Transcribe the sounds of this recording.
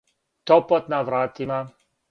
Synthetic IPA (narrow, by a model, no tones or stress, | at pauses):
t̪ɔpɔt̪navɾaːt̪ima